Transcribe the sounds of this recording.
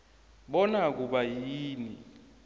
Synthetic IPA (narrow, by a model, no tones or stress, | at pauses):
ɓɔnak̬uɓajiːni